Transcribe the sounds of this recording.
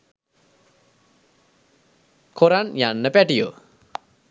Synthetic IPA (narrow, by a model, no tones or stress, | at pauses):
kʰoɾanjanːəpæʈijo̰